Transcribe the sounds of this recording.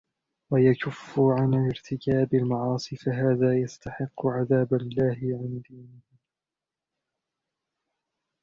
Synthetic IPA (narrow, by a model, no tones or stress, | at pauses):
wajakʊfːʊʕanalɪɾt̪ʰɪkaːbalmɑʕɑːsˤiːfaɦaːðaːjast̪aħɪqːʊʕaðaːbalːaːhɪʕɪnd̪iːnɪh